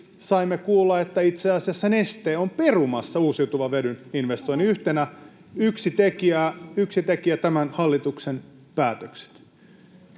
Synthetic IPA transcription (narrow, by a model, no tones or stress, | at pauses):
sɑimːekuːlːɑet̪ːæit̪seɑsiɑsːɑnest̪eːomperumɑsːɑuːsiut̪uʋɑʋeɾyninʋest̪oiniyht̪enæ | yksit̪ekiæyksit̪ekiæt̪æmænhɑlːit̪uksen | pæːt̪økse̥t̪